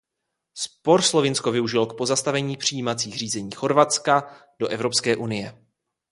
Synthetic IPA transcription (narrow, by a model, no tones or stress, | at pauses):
spoɾslo̞vɪnsko̞vɪuʒɪlo̞k̚po̞zast̪avɛɲiːpr̝̥ijiːmat͡siːxr̝iːzɛɲiːxo̞ɾvat͡ska | do̞ʔɛvɾo̞pskɛːʔunɪjɛ